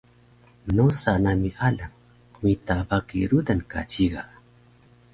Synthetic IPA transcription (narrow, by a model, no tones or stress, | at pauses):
nosanamiʔalaŋ | kmit̪abakḭɾud̪anka̰t͡ʃiɡa